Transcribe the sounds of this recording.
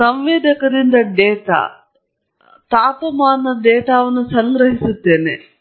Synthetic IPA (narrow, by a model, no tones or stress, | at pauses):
sɐmʋeːd̪ɐkɐd̪ind̪ɐd̪ɛːt̪a̰ː | t̪aːt̪ɐmaːnːɐd̪ɛːt̪aːʋɐnːusɐŋɡɾɐɦisut̪ːeːnḛ